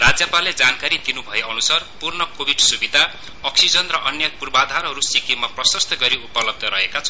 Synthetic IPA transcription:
rad͡zjʌpaled͡zankaɾid̪inubʱʌeʌnusarpurnʌkobʱiɖsubid̪ʱa | ʌksid͡zʌnrʌʔʌnjʌpurbad̪ʱaɾɦʌɾusikimʌprʌsʌst̪ʰʌɡʌɾiupʌlʌb̚d̪ʱʌɾʌɦekat͡sʰʌ

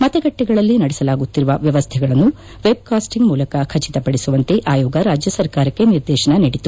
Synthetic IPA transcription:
mɐt̪ɐɡɐʈːiɡɐɭɐlːinɐɽɛsɐlaːɡut̪ːiɾuʋɐʋjɐʋɐst̪ʰɛɡɐɭɐnːu | ʋeb̚kaːsʈiŋɡmuːlɐkɐkʰɐt͡ʃit̪ɐpɐɽisuʋɐnt̪e̞ʔaːjɔːɡɐɾaːd͡ʒjɐsɐɾkaːɾɐkːe̞niɾd̪ɛːʃɐɳɐniːɽit̪u

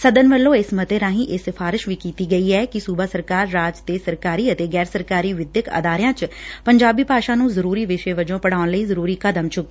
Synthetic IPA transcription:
səd̪ənʋəlːõːɪsmət̪eːɾãːɦĩːʔɪsɪfʰaːɾɪʃʋiːkiːt̪iːɡəiːɛːkɪsuːbaːsəɾkaːɾːaːd͡ʒt̪eːsəɾkaːɾiːət̪eːɡɛːɾsəɾkaːɾiːʋɪd̪jəkə̰d̪aːɾɪjãːt͡ʃpəɲd͡ʒaːbiːpaːʃaːnũːzəɾuːɾiːʋɪʃeːʋəd͡ʒõːpəɽaːʊnləiːzəɾuːɾiːkəd̪əmt͡ʃʰʊkː

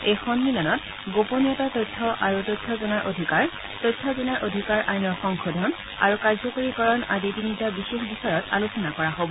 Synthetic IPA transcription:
ejxɔnmilɔnɔt | ɡoponiɔtatɔjtʰːɔʔaɹutojtʰːɔzɔnaɹʔodʱikaɹ | tojtʰːɔzɔnaɹʔodʱikaɹʔajnɔɹxɔŋxodʱɔn | a̰ɹukaɹzɔkoɹikɔɹɔnaditinitabixexbisɔjɔta̰lusɔnakɔɹaɦobɔ

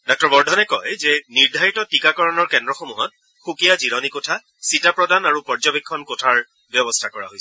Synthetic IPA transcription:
dɔk̚tɔɹbɔɹdʱɔnɛkɔjzɛniɹdʱaɹitɔtikakɔɹɔnɔɹkɛndɹɔxɔmuɦɔt̚ | xukijaziɹɔnikɔtʰa | sitapɹɔdanaɹupɔɹzɔbikʰːɔnkotʰaɹ | bjɔbɔstʰakɔɹa̰ɦojsɛ

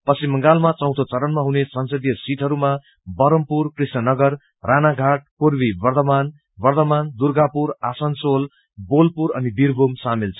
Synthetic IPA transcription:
pʌsimːʌŋɡalmat͡sʌw̃t̪ʰot͡sʌɾʌnmaɦunesʌnsʌd̪ijʌsiʈ̪ʰɦʌɾuma | bʌɾʌmpurkrisnʌnʌɡʌr | ranaɡʱaʈ̚puɾbibʌrd̪ʌman | bʌrd̪ʌmand̪urɡʱapuɾasʌnsol | bolpuɾʌnib̪iɾbʱomsamilt͡sʰʌ̥

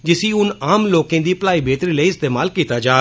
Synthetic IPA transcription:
d͡ʒɪsiːʊnaːmloːkẽːd̪iːplaːiːbʱeːt̪ɾiːləiɪst̪eːmaːlkiːt̪aːd͡ʒaː

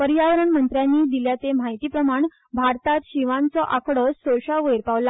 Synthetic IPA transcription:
pəɾjaʋəɾəɳmənt̪ɾjanːiːd̪iljat͡semaɦit̪iːpɾəmaɳ | bʱaɾt̪at̪ɕiʋãnt͡sɔʔakʰɽɔssoɕaʋəjeɾpaʋla

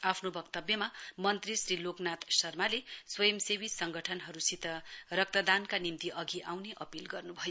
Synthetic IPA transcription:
apʰnobʌkt̪ʌbjʌmamʌnt̪risriloknat̪sʌrmaleswʌjʌmsebisʌŋɡʌʈʰʌnɦʌɾusit̪ʌrʌk̚t̪ʌd̪ankanimt̪iʔʌɡiʔawneʔʌpilɡʌrnubʱʌjo

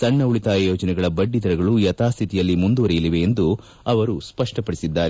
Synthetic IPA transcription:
sɐɳːɐuɭit̪aːjjoːd͡ʒɐnɛɡɐɭɐbɐɖːid̪ɐɾɐɡɐɭujɐt̪aːst̪ʰit̪ijɐlːimund̪uʋɐɾɛjɐliʋe̞ːnd̪u | ɐʋɐɾuspɐʂʈɐpɐɽisid̪ːaːɾe

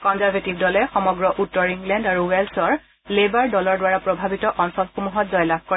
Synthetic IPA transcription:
kɔnzaɹvʱetibdɔlɛxɔmɔɡɹɔʔutːɔɹiŋɡlɛndaɹuwɛlsɔɹ | lebaɹdɔlɔɹdwaɹapɹɔbʱabitɔʔɔnsɔlxumuɦɔtzɔjlab̚ʱko

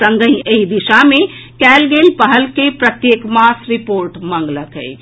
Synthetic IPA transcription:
ə̃ŋɡəĩəɦid̪iʃamẽkɛːlɡeːlpəɦəlkepɾət̪jeːkmaːsɾɪpoːɾʈmə̃ŋɡləkɦɛ̰ː

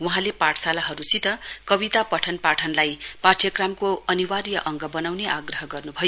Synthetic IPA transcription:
wuɦãlepaʈʰsalaɦʌɾusit̪ʌkʌbit̪apʌʈʰʌnpaʈʰʌnlajpaʈʰjʌkramkoʌniwarjʌʔʌŋɡʌbʌnawneʔaɡrʌɦʌɡʌrnubʱʌjo

